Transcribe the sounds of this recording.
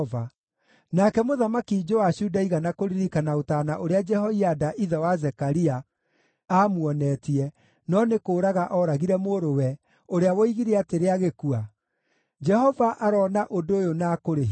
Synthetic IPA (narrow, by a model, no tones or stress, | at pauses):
va | nakɛmoðamakid͡ʒowaɕuːdaiɣanakoɾiɾikanaotaːnaʔoɾead͡ʒɛhɔiadaʔiðɔwazɛkaɾia | aːmwɔnɛːtiɛ | nɔnekoːɾaɣaʔɔɾaɣiɾɛmoɾowɛ | oɾeawɔiɣiɾeateɾeaɣekua | d͡ʒɛhɔvaʔaɾɔnaʔodoojonaːkoɾeɦ